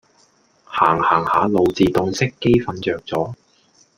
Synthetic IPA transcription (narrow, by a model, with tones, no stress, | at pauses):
haː˨˩ŋhaː˨˩ŋhaː˨˧lo˨˧wt͡siː˨t̪ʊ˨˧ŋsɪ˥kːe˥jfɐ˨nt͡ʃœː˨k̚t͡sɔː˨˥